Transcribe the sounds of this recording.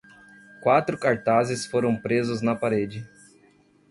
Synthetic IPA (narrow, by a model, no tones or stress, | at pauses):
kwat̪ɾʊkaɾt̪azɪsfoɾɐ̃w̃pɾezʊznɐpaɾed͡ʒɪ